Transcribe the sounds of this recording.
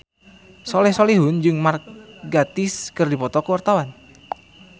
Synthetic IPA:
sɔlɛhsoliɦʊnd͡ʒɨŋmarɡat̪ɪskɨrdipɔt̪ɔkəwart̪awan

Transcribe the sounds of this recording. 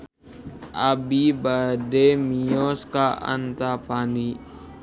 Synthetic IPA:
ʔabibademiɔskaa̰nt̪apani

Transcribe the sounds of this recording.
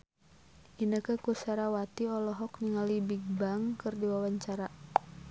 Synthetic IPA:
ʔinəkəkusaɾawat̪iɔlɔɦɔkniŋalibiɡ̚baŋkɨrdiwawaɲt͡ʃaɾa

